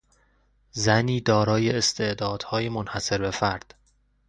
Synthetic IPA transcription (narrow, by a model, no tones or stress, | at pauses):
zæniːd̪ɒːɾɒːjeːst̪ʰe̞ʔd̪ɒːd̪̥hɒːje̞monhæse̞ɾbe̞fæɾd̪̥